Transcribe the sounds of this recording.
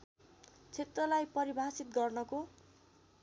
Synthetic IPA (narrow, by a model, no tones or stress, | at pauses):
t͡sʰet̪rʌlajpʌɾibʱasit̪̚ɡʌrnʌko